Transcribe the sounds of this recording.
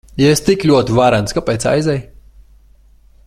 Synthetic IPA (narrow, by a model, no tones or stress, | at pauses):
jaest̪iklʲuɔt̪ivaɾanskapʲɛjt̪sa̰jzɛj